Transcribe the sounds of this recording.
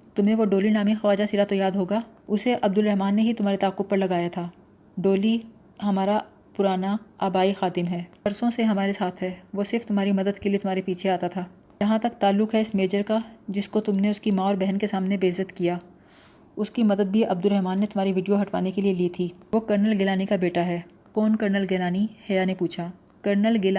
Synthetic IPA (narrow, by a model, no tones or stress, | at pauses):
t̪ʊmɦẽʋoɖoːlinaːmixɐʋaːd͡ʒasiɾat̪ojaːd̪ɦoːɡaːʊseʔɐb̚d̪ʊlɾɛɦmaːnːeɦit̪ʊmɦaːɾet̪aːqːʊb̚pɐɾlɐɡaːjat̪ʰaː | ɖoːli | ɦɐmaːɾa | pʊɾaːnaaːbaːixaːd̪ɪmɦɛːɐɾsõseɦɐmaːɾesaːt̪ʰɦɛːʋoːsɪɾft̪ʊmɦaːɾimɐd̪əd̪keliet̪ʊmɦaːɾepiːt͡ʃʰeaːt̪at̪ʰaː | d͡ʒɐɦãt̪ɐk̚t̪aːlːʊkɦɛɪsmeːd͡ʒəɾkad͡ʒɪskot̪ʊmneʊskimãːɔːɾbɛɦɛnkesaːmnebeːzəd̪kijaː | ʊskimɐd̪əd̪̚bʱiʔɐb̚d̪ʊɾɛɦmaːnːet̪ʊmɦaːɾiʋɪɖijoɦɐʈʋa̰ːnekelieliːt̪ʰiːʋokɐɾnəlɡɪlaːnikabeːʈaɦɛː | kɔːnkɐɾnəlɡelaːnihɛjaːnepuːt͡ʃʰa | kɐɾnəlɡɪl